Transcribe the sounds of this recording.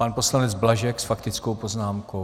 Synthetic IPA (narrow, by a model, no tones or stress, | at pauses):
panpo̞slanɛd͡zblaʒɛksfakt̪ɪt͡skowpo̞znaːmko